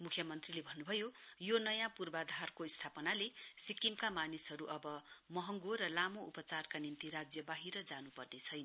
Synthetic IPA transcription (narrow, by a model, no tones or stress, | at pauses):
mukʰjʌmʌnt̪rilebʱʌnːubʱʌjojonʌjãpurbad̪ʱarkoist̪ʰapʌnalesikimkamanisɦʌɾuʔʌbʌmʌɦʌŋɡorʌlamoupʌt͡sarkanint̪iɾad͡zjʌbaɦiɾʌd͡zanupʌrnet͡sʰʌjnʌ